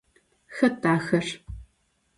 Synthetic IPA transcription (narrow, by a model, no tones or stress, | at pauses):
xɐtaːxɐr